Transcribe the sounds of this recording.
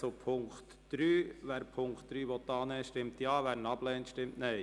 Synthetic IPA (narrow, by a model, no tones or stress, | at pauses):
sopʰʊŋkt̪ | d̥ɾyːʋæːɾpʰʊŋkt̚d̥ɾyːʋɔt̪ːɑːnɛːʃtɪmt̪jɑːʋæːɾnɑb̥lɛːntʃtɪmtnɛɪ